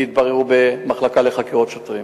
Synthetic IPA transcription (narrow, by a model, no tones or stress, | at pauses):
it̪baʁeʁubemaχlakaleχakeʁotʃotʁim